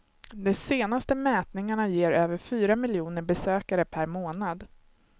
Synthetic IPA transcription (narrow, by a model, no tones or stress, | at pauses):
d̪ɛseːnast̪əmɛːt̪nɪŋaɳajeːɾøːvəɾfyːɾamɪljuːnəɾbɛsøːkaɾəpʰæɾmoːnad̪